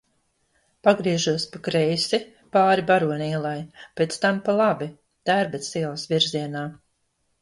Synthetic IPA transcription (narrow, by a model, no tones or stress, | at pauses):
paɡɾiɛʒuɔspakɾejsi | paːɾibaɾuɔnʲiːlˠajpʲet̪st̪ampalˠabi | t̪æɾbɛt̪siɛlˠasviɾziɛnaː